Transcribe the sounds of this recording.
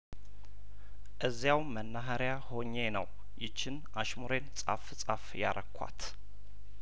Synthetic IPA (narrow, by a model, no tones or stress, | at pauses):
ʔɨzːjawmənːaɦaɾjaho̞ɲːe̞nə̰w | jɪt͡ʃːɪnʔaʃmuɾensʼa̰ft͡sʼafja̰ɾʔəkʷʰːa̰t̪